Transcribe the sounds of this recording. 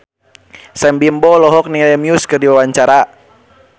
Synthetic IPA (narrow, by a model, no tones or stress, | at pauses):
sɛmbimbɔlɔɦɔk̚nilɛmiuskɨrdiwawaɲt͡ʃaɾa